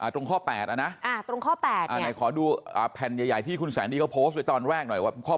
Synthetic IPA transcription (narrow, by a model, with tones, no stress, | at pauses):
ʔaː˨˩t̪ɾo˧ŋkʰɔː˥˩pɛː˨˩t̪̚ʔa˧˩na˦˥ʔa˧˩t̪ɾo˧ŋkʰɔː˥˩pɛː˨˩t̪ʔaː˨˩˧na˨˩kʰɔː˩˦duː˧ʔa̰ː˨˩pʰɛ˨˩njaː˨˧˩ja˨˩jt̪ʰiː˥˩kʰu˧nsɛ̰ː˩˦ndiː˧a˥˩pʰoː˦˥st̪̚da˧jt̪ɔː˧nɾɛː˥˩k̚nɔ˨˩jwaː˧˩kʰɔː˥˩